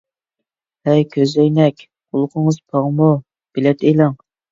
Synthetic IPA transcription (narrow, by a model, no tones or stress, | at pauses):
hɛjkʲʰøzɛjnɛkʲ | qʊlˠʊqʰəŋəz̥pʰɑʁmu | b̥ɪlɛt̪elɪŋ